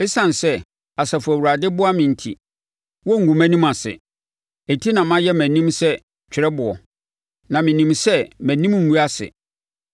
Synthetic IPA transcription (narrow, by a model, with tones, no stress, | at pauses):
ɛ˦sã˨n˨sɛ˦ | a˨sa˨fʊ˨æ˨wu˨ɾa˨dɪ˦bʊ˦a˦mɪ̃˨n̩˨tʰḭ˨ | wɔ˦ŋ̩˨ɡũ˨mæ̃˦nĩ˦mã˨sɪ̰˨ | æ˨tʰi˦nã˨mã˦jɛ˦mæ̃˨nĩ˦msɛ˦ | t͡ɕᶣʰɪ˨ɾɛ˦bʊ˨ɔ̰˨ | nã˨mɪ̃˨nĩ˨msɛ˦mæ̃˨nĩ˦m˦ŋ̩˨u˦a˦sɪ̰˨